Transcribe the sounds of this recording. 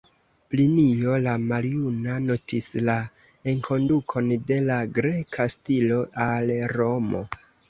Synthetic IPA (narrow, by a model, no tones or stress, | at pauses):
plinijo̞lamaɾiunano̞tʰisla | eŋkʰo̞ndukʰo̞nde̞laɡɾe̞kʰastilo̞ʔalɾo̞mo̞̰